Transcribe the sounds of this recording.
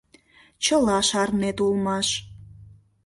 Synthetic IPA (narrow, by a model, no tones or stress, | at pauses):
t͡ɕəlɑʃɑrnet̪ulmɑʃ